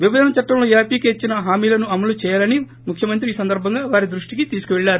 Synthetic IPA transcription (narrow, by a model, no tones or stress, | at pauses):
ʋibɐd̪ɐnɐt͡ʃɐʈːɐmloːjaːpiːkeːt͡ʃːinɐɦaːmiːlɐnuɐmɐlut͡ʃɛːjaːlɐni | mukʰjɐmɐnt̪̬ɾiːsɐnd̪ɐɾbʱɐŋɡaːʋaːɾid̪ɾuʂʈikit̪iːsu̥kuʋɛɭːaːɾu